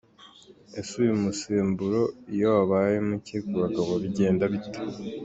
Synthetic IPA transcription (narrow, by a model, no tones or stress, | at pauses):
esujumusiːmbuɾo̞ijoaβajemucekuβaɡaβoβiɟe̞ːndaβito̥